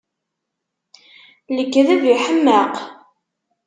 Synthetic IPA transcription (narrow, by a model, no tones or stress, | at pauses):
ləkːðæviħəmːəq